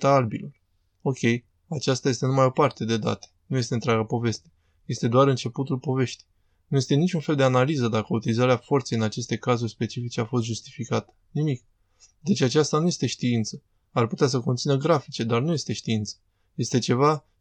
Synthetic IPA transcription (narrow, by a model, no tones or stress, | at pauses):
t̪aalbḭlo̞r | o̞kʲe̞j | at͡ʃast̪aje̞st̪enumajo̞part̪ed̪e̞d̪a̰t̪e̥nuje̞s̬t̪ent̪ɾʲaɡapo̞ve̞st̪e | je̞st̪e̞d̪oaɾɨnt͡ʃe̞put̪ulpo̞ve̞ʃt̪i̥j | nuje̞st̪e̞nit͡ʃunfeld̪e̞analizəd̪akəut̪ilizaɾeafo̞rt̪seɨnat͡ʃe̞st̪e̞kazurʲspe̞t͡ʃifit͡ʃe̞afo̞st̪ʒust̪ifikat̪ə̥nimik̚ | d̪e̞t͡ʃʲat͡ʃast̪anuje̞st̪e̞ʃt̪iint̪sə | arput̪eas̬əko̞nt̪sinəɡɾafit͡ʃe̞d̪arnuje̞st̪e̞ʃt̪iint̪sə̥ | je̞st̪e̞t͡ʃe̞va